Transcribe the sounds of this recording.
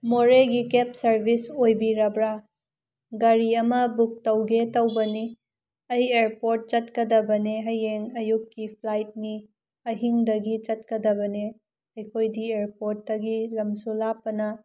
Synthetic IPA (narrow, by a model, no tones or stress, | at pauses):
moɾeɡikep̚sɐɾbʱisojbiɾɐbɾa | ɡɐɾiɐmɐbuk̚tɐwɡetɐwbɐni | ɐjeɾpoɾt̚t͡ʃɐtkɐdɐbɐneɦɐjeŋɐjukːipʰlajt̚ni | ɐɦiŋdɐɡit͡ʃɐt̚kɐdɐbɐne | ɐjkʰojdieɾpoɾt̚ːɐɡilɐmsulapːɐnɐ